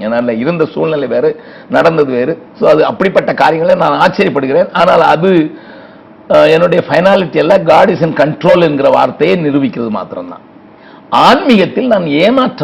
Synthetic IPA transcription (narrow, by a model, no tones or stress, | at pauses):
ɛːnaːɪlɐɪɾɯnd̪ɐsuːlnɪlɐʋeːɾɯ | nɐɽɐnd̪ɐðɯʋeːɾɯsoːɐðɯɐpːɐɽipːɐʈːɐkaːɾɪjɐŋɡɐɭenaːnaːt͡ʃːɐɾjɐpːɐɽɯɣɪɾeːnaːnaːlɐðɯ | ɛnːɯɽɐjɐfɐɪnaːlɪʈːijɛlːaːɡaːɽɪsɐnkɐɳʈɾoːlɛnɡɪrɐʋa̰ːɾt̪ːɐjeːnɪɾɯʋɪkʲːɪɾɐðɯma̰ːt̪ɪɾɐ̰md̪ã̰ː | aːnmɪɣɐt̪ːɪlnaːneːmaːʈrɐ